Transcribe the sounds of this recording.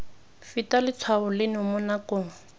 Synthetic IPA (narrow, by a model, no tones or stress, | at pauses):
fitalɪt͡sʰwabʊlɪnɪʊmʊnakʊːŋ̩